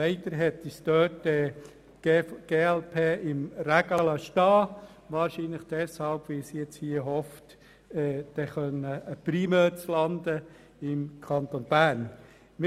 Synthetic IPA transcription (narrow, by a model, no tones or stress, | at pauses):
ɛɪt̪əɾɦɛt̪isd̥̪øːtdɛ | ɡ̥eːɛlpʰeːɪmɾæɡɑlɑʃtɑː | ʋɑːɾʃiːnləχd̥ɛshɑlb̥ʋɪsjɛt͡shiːəhɔft | ɛːd̥ɛχœnəəprimɛːt͡slɑnd̪ə | ɪmkʰɑnt̪onb̥æːɾn | mɪ